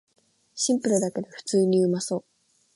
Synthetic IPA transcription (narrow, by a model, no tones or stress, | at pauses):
ɕĩmpɯ̟ɾɯ̟d̪ake̞d̪eɸɯ̟̥t͡sɨːɲ̟iɯ̟maso̞ː